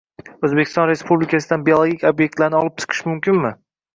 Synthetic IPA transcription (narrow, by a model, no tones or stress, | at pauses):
ɵzbekʲɪ̥st̪ɒ̃nɾe̞spublɪkʰʲasɪd̪anbiolˠoɡʲikʲobje̞k̚ʲt̪laɾnɪɒlˠɪp̚t͡ʃ̪ʰɨ̥qʰɨ̥ʃmʊmkʲɪnmɪ